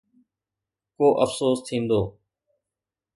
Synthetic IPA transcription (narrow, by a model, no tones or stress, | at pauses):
koːʔəfsoːst̪ʰĩːnd̪oː